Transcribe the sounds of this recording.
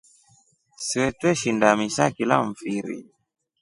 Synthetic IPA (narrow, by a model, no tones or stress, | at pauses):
siwɛtwɛʃindamisakilaɱ̩fiɾḭ